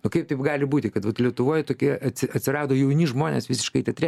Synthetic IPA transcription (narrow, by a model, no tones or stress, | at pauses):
nʊkɐɪp̚t̪ɐɪpɡɑːlʲɪbuːt̪ʲɪkɐt̪ʋɐt̪lʲiɛt̪ʊʋoːjɛt̪oːkʲiɛɐt̪ʲsʲɪɐt̪ʲsʲɪrɑːd̪oːjɛʊnʲɪʒmoːnʲḛːsʋʲɪsʲɪ̥ʃkɐɪt̪ʲɛt̪ʲɾʲɪ